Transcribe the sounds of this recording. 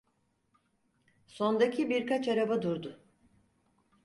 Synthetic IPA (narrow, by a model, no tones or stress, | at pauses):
so̞nd̪acʰibiɾkʰat͡ʃaɾabad̪uɾd̪ʊ